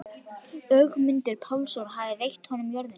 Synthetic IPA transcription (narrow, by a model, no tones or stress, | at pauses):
œɣmʏnt̪ɪɾpʰawlsoɾɦaːvðɪvejht̪hɔnʏmjœɾðɪn